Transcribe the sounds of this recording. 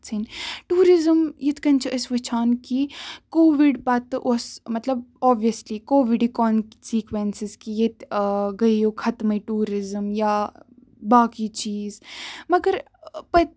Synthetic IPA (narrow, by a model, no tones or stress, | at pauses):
t͡sʰiːnʈuːɾɪzəmjɪt̪ʰkɐnt͡ʃʰɐʔɐsʋɪt͡ʃʰaːnkikoːʋɪɖbaːt̪ːɨʔosmɐt̪lɐbɔːbijəslikoːʋɪɖikɔːnsiːkʋensɪzkijet̪ɡɐijokʰɐt̪mɐiʈuːɾɪzəmjaː | baːkit͡ʃiːzmɐɡəɾ | pɐ